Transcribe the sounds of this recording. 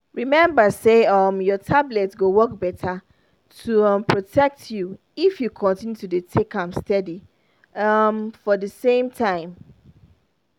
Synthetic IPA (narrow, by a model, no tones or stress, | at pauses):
ɹimɛ̃mbaseʌmjɔtʰablɛtɡowɔk̚bɛtʰa | tʰuʌ̃mpʰɹotʰɛk̚tʰju | ifjukʰɔ̃ntʰĩnjutudetʰekãmstɛdi | ʌmfɔdəsẽɪ̃mtʰãɪ̃m